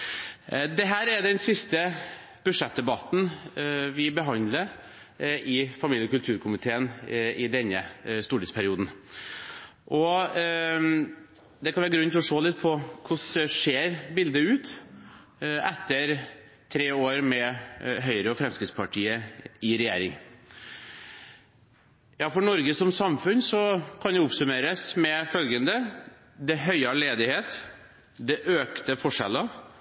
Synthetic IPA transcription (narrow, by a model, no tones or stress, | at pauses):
d̪ɛɦæːɾɛd̪ɛnsɪst̪ə | b̥ʉdʂɛt̪̚d̪ɛbɑt̪n̩ʋɪbəɦɑnd̪lə | ʔɪfɑmiːləɔkʉlt̪ʰʉːɾkʰʊmɪt̪ʰeːənɪd̪ɛnːəst̪uːʈɪt̪spʰæɾɪuːd̪n̩ | ʔɔ | d̪ɛkʰɑnʋæɾɡɾʉnːt̪ʰɪlɔʂoːlɪt̪ːpʰɔkʰʊʂʂeːɾbɪld̪əʉːt̪ | ɛt̪ʰːəɾ | t̪ʰɾeːoːɾmɛɦœʏɾəɔfɾɛmskɾɪt̪spʰɑʈʰiːəɪɾɛjḛːɾɪ̰ŋ | jɑːfɔɳɔɾɡəsɔmsɑmfʉnsɔkʰɑnj̪ʊɔpsʉmeːɾəsmɛfœlɡənd̪ə | d̪ɛɦœʏɑleːd̪ɪheːt̪ | d̪ɛʔøːkt̪əfɔʂɛ̰lə